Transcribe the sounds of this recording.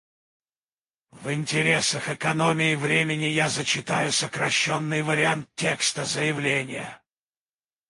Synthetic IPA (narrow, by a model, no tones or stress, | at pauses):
vɪnʲtʲɪɾʲesəxɛkɐnomʲɪjɪvɾʲemʲɪnʲɪjazət͡ɕɪt̪ajʊsəkɾɐɕːonːɨjvəɾʲɪant̪̚tʲːe̞kst̪əzəjɪvlʲenʲɪjə̰